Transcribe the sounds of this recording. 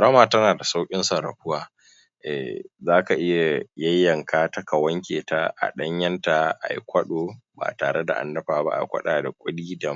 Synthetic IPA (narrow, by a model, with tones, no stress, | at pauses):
ɐ˨ɽɐ˦maː˨tɐ˦naː˨da˨sa˦wkʲʼɪ˦nsɐ˨ɾɐ̰˨ɸʊ˦waː˦ | ʔɛ̰˨zaː˦ka˨ʔɪ˦ja˨jɐ˦jːɐ˨ŋkaː˦tɐ˦ka˨wɐ˦ŋkʲeː˨ta˦ʔa̰˨ɗɐ˦ɲjɐ˦nta˨ʔa̰˨jkʷɐ˦ɗoː˨ba̰ː˨taː˨ɽe˦da̰˨ʔa̰˨ndɐ˦ɸaː˨ba̰˦ʔa̰˨jkʷɐ̰˦ɗaː˨da˨kʷʼʊ˦ɗiː˦da˨